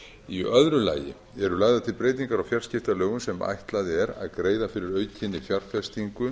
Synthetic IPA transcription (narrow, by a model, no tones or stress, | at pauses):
iœðɾʏla̰ːjɪ̰ | ɛɾʏlaːɣðat̪ʰɪlpɾeːjt̪̬iŋkaɾawfjarscɪft̪alœːɣʏnsɛma̰jht̪laðɪɛɾa̰ðkɾeːjðafɪɾɪɾœːɥcʰɪnːɪfjar̥fɛst̪iŋkʏ